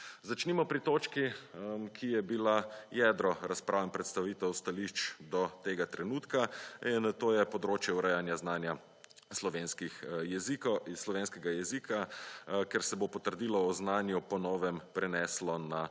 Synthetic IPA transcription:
zat͡ʃnimɔpɾit̪oːt͡ʃkikʰijɛbilajɛd̪ɾɔɾaspɾʔaʋɛmpɾɛt̪st̪aʋiːt̪ɛwst̪aliʃt͡ʃd̪ɔt̪eːɡat̪ɾɛnuːt̪kaint̪oːjɛpɔd̪ɾoːt͡ʃjɛuɾɛjanjaznaːnja | slɔʋenskixjɛzikslɔʋeːnskɛɡajɛziːkʰakɛɾsɛbopɔt̪əɾd̪ilɔːznaːnjupɔnɔːʋɛmpɾɛnɛslɔna

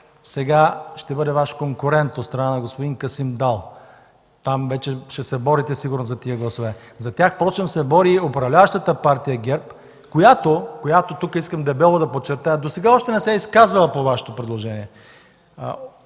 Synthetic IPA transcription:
sɛɡaʃt̪ɛbɤd̪ɛvaʃkoŋkʊɾɛnt̪ot̪st̪ɾɐnanɐɡospod̪iŋkɐsimd̪alˠ | t̪amvɛt͡ʃɛʃɛsɛbɔɾit̪ɛsiɡʊɾnozɐt̪iəɡlˠɐsovɛ | zɐt̪ʲjaxpɾɔt͡ʃɛmsɛbɔɾiopɾɐvlʲavəʃt̪ət̪əpaɾt̪ijəɡʲɛɾp | kojat̪okojat̪ot̪ukəiskəmd̪ɛbɛlˠod̪ɐpott͡ʃːɛɾt̪ajəd̪osɛɡaɔʃt̪ɛnɛsɛiskazəlˠəpovaʃɛ̥t̪opɾɛd̪lˠoʒɛniɛ̰

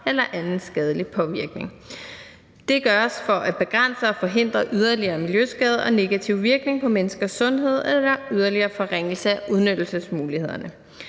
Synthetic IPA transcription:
elɐʔænn̩sɡ̥ɛð̞ˠlipʰɒ̽ʋiɐɡ̥ne̝ŋ | d̥e̝ɡ̥ɶɐsfɒ̽ʔæb̥e̝ɡ̥ʁan̰səɒ̽fɒ̽ɦe̝n̰d̥ʁɐʔyð̞ˠɐliɐːmiljøsɡ̥ɛːð̞ˠɒ̽ne̝ɡ̥æt͡sʰiʊ̰ʋiɐɡ̥ne̝ŋpʰɒ̽menəsɡ̥ɐsːɔ̽nɦe̝ð̞̰ˠelɐyð̞ˠɐliɐːfɒ̽ʁeŋ̰l̩səæʔuð̞ˠnød̥l̩səsmuːlihe̝ð̞ˠɐnə

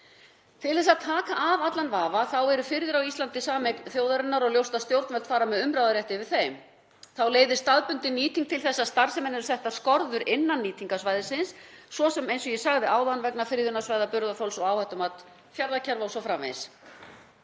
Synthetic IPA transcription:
t̪ɪlθɛsaðt̪ʰaːkaʔaːvat̪lanvaːvaθawɛɾʏfɪɾɪðɪɾawist̪lant̪ɪsaːmeknθjoːwðaɾɪnːaɾɔɣljowst̪aðst̪jowɾt̪mɛlt̪faːɾamɛðʏmɾawðaɾjɛht̪ɪvɪð̥θejm | θawleːjðɪst̪aðpʏnt̪ɪnːiːt̪iŋkt̪ʰɪlθɛsːast̪aɾ̥sɛmɛnɛɾʏsɛht̪aðskɔɾðʏɾʔɪnːanːiːt̪ʰiŋkasvaːjðɪsɪnsːvɔsɛmejnsɔjɛsaɣðɪaːwðanvɛknafɪɾðʏnasvajðapʏɾðafowlsɔɣawhɛht̪ʏmat̪ | fjaɾðacʰɛɾvawsɔfɾamvḛjns

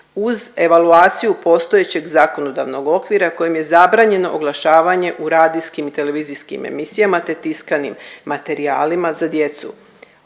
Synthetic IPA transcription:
uze̞ʋaluaːt̪sijupo̞st̪oje̞t͡ɕe̞ɡzako̞no̞d̪aʋno̞ɡo̞kʋiɾako̞jemje̞zabɾaːɲe̞no̞ʔoɡlˠaʃaːʋaɲe̞ʔuɾaːd̪iskimit̪e̞le̞ʋiziskḭmḛmisijamat̪e̞t̪iskanimːat̪e̞ɾiaːlimazad̪je̞t̪sṵ

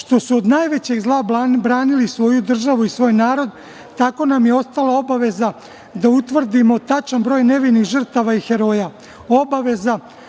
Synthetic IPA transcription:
ʃt̪o̞suod̪najʋe̞t͡ɕe̞ɡzlˠaːbɾaːnilisʋo̞jud̪r̩ʒaʋuisʋo̞ːjnaːɾo̞d̪ | t̪ako̞namjeo̞st̪alˠao̞baʋe̞za | d̪aut̪ʋr̩d̪imo̞t̪at͡ʃanbɾo̞ːjne̞ʋiniɣʒər̩t̪aʋaixe̞ɾo̞ːja | o̞baʋe̞za

